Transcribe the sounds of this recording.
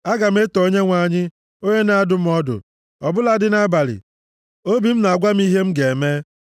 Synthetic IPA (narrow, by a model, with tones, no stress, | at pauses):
a˦ɡa˨m̩˦e˦tɔ˨o˦ɲe˦ŋʷa˨ɲɪ˦ | o˦ɲe˦na˨a˦˨dʊ˨m̩˦ɔ˦dʊ̰˨ | ɔ˨bʊ˦la˦dɪ˦na˦ba˨ɾɪ̰˨ | o˦bi˨m̩˦na˨ɡʷa˦m̩˦i˦ɦe˦m̩˦ɡe˨me˦